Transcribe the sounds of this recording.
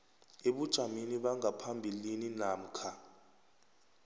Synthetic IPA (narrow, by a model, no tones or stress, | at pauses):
eɓud̥ʒ̥ʱaminiɓaŋapʰambʱilininaːm̩kʰa